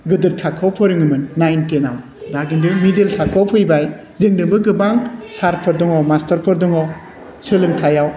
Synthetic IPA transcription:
ɡɯdɯɾtʰakʰawpʰɔɾiŋɯmɯnːajntenaw | daɡindɯmideltʰakʰawpʰɯjbaj | zɯŋnɯbɯɡɯbaŋsaɾpʰɔɾdɔŋɔmastɐɾpʰɔɾdɔŋɔw | sɯlɯŋtʰajaw

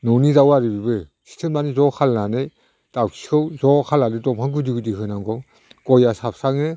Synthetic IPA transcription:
nɔnizawaɾɯbibɯsʰi̥tʰɯlmanizɔkʰalnanɯj | d̥awkʰi̥kʰɯwzɔkʰalːanɯdɔmhʰaŋɡudiɡudiɦɯnaŋɡɔ | ɡ̥ɔjasap̚ʰsaŋɯ

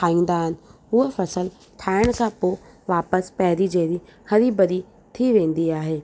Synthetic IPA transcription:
aːĩːn̆d̪aɦɪnɪ̆ | ʊɦefɐsəl | t̪ʰaːɪɽ̃kʰãpoːʋaːpəspɛɦɾid͡ʑeɾihɐɾibɐɾi | t̪ʰiʋẽːn̆d̪iaːɦeː

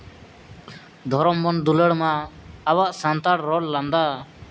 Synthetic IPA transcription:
d̪ʱɔɾɔmbɔnd̪uləɽmaːbaʔsant̪aɽɾɔɽland̪a

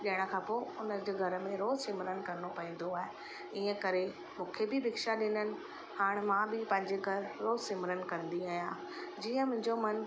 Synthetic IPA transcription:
ɗiəɽ̃ə̆kʰãːpoːʊnəd͡ʑeːɡʱɐɾə̆mẽɾoːzʃɪmɾənɪ̆kɐɾopɐɦĩːnd̪oaːɦe | iːə̃kɐɾe | mũːkʰebɪbɪkʃaɗɪnənɪ̆ | haːɽ̃mãbɪpɐ̃ɦɪ̃ɲd͡ʑeɡʱɐɾɾoːzʃɪmɾən̆kɐ̃nd̪iaːɦijãː | d͡ʑiːə̃mʊ̃ɦɪ̃ɲd͡ʑomɐn

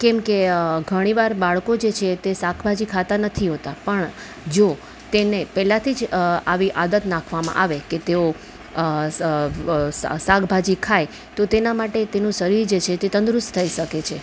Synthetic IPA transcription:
kɛmkeɡʱəɽ̃iʋaɾbaɭkod͡ʒet͡ʃʰet̪esakʰbʱad͡ʒikʰat̪anət̪ʰiɦot̪apəɳ | d͡ʒo | t̪enepɛlat̪ʰid͡ʒaʋiʔad̪ət̪nãkʰʋamã̰ʔaʋeket̪eo | ssakbʱad͡ʒikʰaj | t̪ot̪enamaʈet̪enũsəɾiɾd͡ʒet͡ʃʰet̪et̪ənd̪ɾʊst̪t̪ʰəiʃəket͡ʃʰe

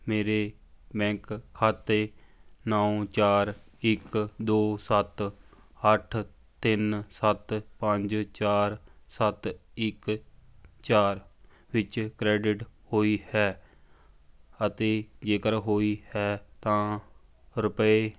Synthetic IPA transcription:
meːɾeː | bɛ̃ːŋkʰːaːt̪eːnaːõt͡ʃaːɾ | ɪkd̪oːsət̪ | əʈʰ | t̪ɪnsət̪pəɲd͡ʒt͡ʃaːɾsət̪ɪk | t͡ʃaːɾ | ʋɪt͡ʃkɾɛːɖɪʈhoːiːhɛː | ət̪eːd͡ʒeːkəɾɦoːiːhɛːt̪ãː | ɾʊpeː

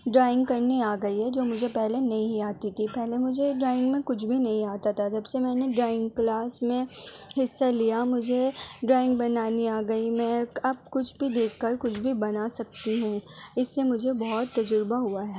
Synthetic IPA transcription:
ɖɾaːɪ̃ŋɡkɐɾneaːɡɐiɦɛd͡ʒoːmʊd͡ʒʱepɛɦlenɐɦĩaːt̪it̪ʰipɛɦlemʊd͡ʒʱeɖɾaːɪ̃ŋɡmẽkʊt͡ʃʰbʱinɐɦĩaːt̪at̪ʰad͡ʒɐbsemɛ̃ːneɖɾaːɪ̃ŋɡ̚klaːsmẽhɪsːalijamʊd͡ʒʱeɖɾaːɪ̃ŋɡbɐnaːniaːɡɐimɛ̃ːɐb̚kʊt͡ʃʰbʱid̪eːkʰːɐɾkʊt͡ʃʰbʱibɐnasɐk̚t̪iɦũːɪsːemʊd͡ʒʱebɔɦɔt̪ːɐd͡ʒʊɾbaɦuaɦɛː

